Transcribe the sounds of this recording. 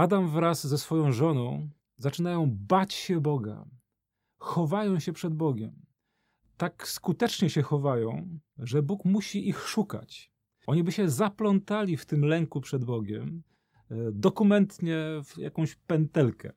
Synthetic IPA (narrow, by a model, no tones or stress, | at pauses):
ad̪amvɾaszɛsfɔjɔ̃w̃ʐɔnɔ̃w̃ | zat͡ʂɘnajɔ̃w̃bat͡ɕɕɛbɔɡa̰ | xɔvajɔ̃w̃ɕɛpʂɛd̪bɔɡʲɛm | t̪akskut̪ɛt͡ʂɲɛɕɛxɔvajɔ̃w̃ʐɛbukmuɕiʔixʂuka̰t͡ɕ | ʔɔɲibɘɕɛzaplɔnt̪alʲift̪ɘmlɛŋkupʂɛd̪bɔɡʲɛm | d̪ɔkumɛnt̪ɲɛfja̰kɔ̃w̃ɕpɛnt̪ɛlkɛ̰